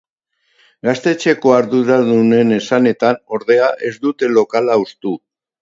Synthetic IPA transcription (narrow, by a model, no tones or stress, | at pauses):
ɡast̪e̞t͡ʃe̞ko̞aɾðuɾaðune̞ne̞sane̞t̪ano̞ɾðe̞aʔe̞zd̪ut̪e̞lo̞kalaust̪u